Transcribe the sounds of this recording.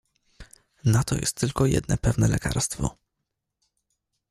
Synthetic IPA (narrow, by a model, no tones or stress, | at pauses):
nat̪ɔjɛ̰st̪ːɘlkɔjɛ̰d̪nɛpɛvnɛlɛka̰ɾst̪fɔ̰